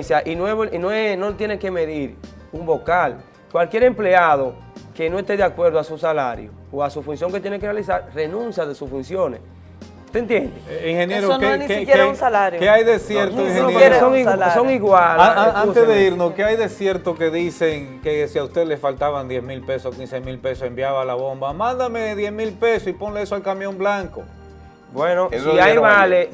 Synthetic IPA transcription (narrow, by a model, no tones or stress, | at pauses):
sjaʔinweβoinoenot̪jeneke̞me̞ðiɾumbo̞kal | kwalkje̞ɾe̞mple̞aðo̞ | ke̞no̞est̪e̞ðjakwe̞ɾðoasusala̰ɾjo | oasufunsjoŋket̪jenekerealisaɾre̞nũnsjaðesusfunsjo̞nḛs | t̪eːnt̪jend̪eiŋhenjeɾoenkkjeɾaũsalaɾjkeajðesjeɾt̪oiiŋeneoŋasoŋiɣwalaaant̪eðeiɾnoskeajðe̞sje̞ɾt̪oke̞ðiseŋkesiaust̪eðelesfalt̪aβand̪jesmilpe̞sokinsemilpe̞sosembjaβalaβo̞mbamãnd̪ameðje̞smilpe̞sosipo̞ŋleesoalkamjo̞mblaŋko | bwenosiajmale